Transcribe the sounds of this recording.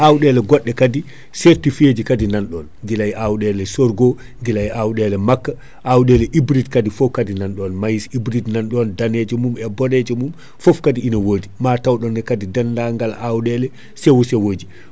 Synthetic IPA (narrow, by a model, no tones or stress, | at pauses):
ʔawɗɛlɛɡɔɗːɛkadi | seɾtifed͡ʒikadinanɗɔnŋɡilajʔawɗɛlɛsɔɾɡɔ | ŋɡilajʔawɗɛlɛmakːa | ʔawɗɛlɛʔibɾitkadifɔfkadinanɗɔnmajisibɾidnanɗɔndanɛd͡ʒɛmumɛbɔɾɛd͡ʒɛmum | fɔfkadiinawoːdimatawɗɔnːɛkadidandaŋɡalawɗɛlɛ | sɛwusɛwoːd͡ʒi